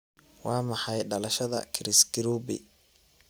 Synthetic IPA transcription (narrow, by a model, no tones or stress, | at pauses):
wɑːmɑħɑjɖɐlɐʃɐðɐ̰kʰɪɾɪsɡɪɾuːbɪ̰